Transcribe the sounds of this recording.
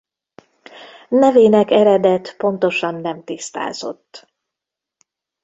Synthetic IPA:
nɛveːnɛkɛɾɛd̪ɛt̪po̞nt̪o̞ʃɒnːɛmt̪ist̪a̰ːzo̞̰t̪ː

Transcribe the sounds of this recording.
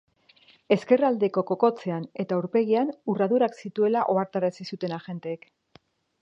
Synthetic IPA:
e̞ske̞rald̪e̞ko̞ko̞ko̞t͡se̞ane̞t̪auɾpe̞ɣianuraðuɾaksit̪ue̞laʔo̞aɾt̪aɾasisut̪e̞naʝe̞nt̪eːk

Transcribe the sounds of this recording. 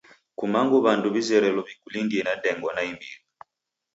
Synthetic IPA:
kumaŋɡuβanduβizɛɾɛlɔbikulindiɛnadɛŋɡwɔnaimbḭɾi

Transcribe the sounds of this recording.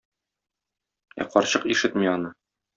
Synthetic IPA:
æ̰qɒɾɕɤqiʃɘt̪miɒnɤ

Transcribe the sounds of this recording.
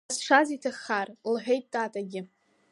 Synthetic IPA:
sʂʷazitʰaχarlħʷᶣejtʼdʼaːtʼaɡʲɪ

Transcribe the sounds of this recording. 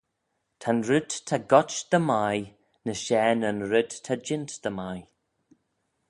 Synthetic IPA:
t̪ʰanɾɪd̪t̪ʰaɡɔt͡ʃd̪̥əmaj | nəʃɛːnənɾɪd̪tʰad͡ʒɪntd̪̥əmaj

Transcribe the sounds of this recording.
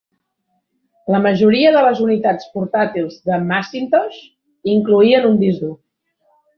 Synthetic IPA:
ləməʒuɾiəðələzunit̪at͡spuɾt̪at̪ilˠzðəmasint̪oʃ | iŋkluiənund̪izðu

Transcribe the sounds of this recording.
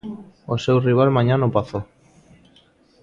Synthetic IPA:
osewriβ̞almãɲãnopaθo

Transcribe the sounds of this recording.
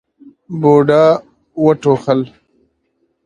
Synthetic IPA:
boːɖaː | wəʈoːxəl

